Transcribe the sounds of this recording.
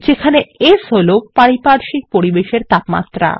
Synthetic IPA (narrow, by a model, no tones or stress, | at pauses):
d͡ʑekʰaneesolopaɽipaɾʃik̚poɾibeʃeɾt̪apma̰t̪ːɾa̰